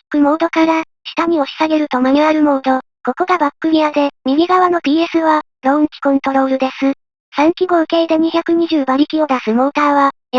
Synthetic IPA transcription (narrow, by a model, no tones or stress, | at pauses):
kɯ̟mo̞ːd̪o̞kaɾa | ɕi̥t̪aɲ̟ʲio̞ɕi̥saɡe̞ɾɯ̟t̪o̞maɲ̟iaɾɯ̟mo̞ːd̪o̞ | ko̞ko̞ɡabakːɯ̟mʲiad̪e̞mʲiɡʲiɡaβ̞ano̞t̪ʲiːe̞sɨβa | ɾõ̞ɯ̃ŋkʲi̥kõ̞nt̪o̞ɾo̞ːɾɯ̟d̪e̞sɨ | sãŋkʲiɡo̞ɯ̟ke̞ːd̪e̞ɲ̟içakɯ̟ɲ̟iʑɨːbaɾʲikʲio̞d̪asɨmo̞ːt̪aːβa | j